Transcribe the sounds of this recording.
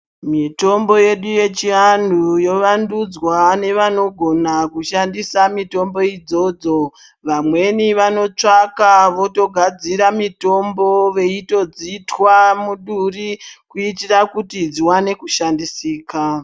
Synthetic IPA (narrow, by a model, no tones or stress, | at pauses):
mito̞mbo̞je̞ɗuje̞t͡ʃiandujo̞ʋandud͡zwane̞ʋano̞ɡʱo̞nakuʃandisamito̞mbo̞id͡zo̞d͡zo̞ | ʋamwe̞niʋano̞t͡ʂakaʋo̞to̞ɡʱad͡ziɾamito̞mboʋe̞ito̞d͡zitwamuɗurikuitirakutid͡ziwane̞kuʃandisiːka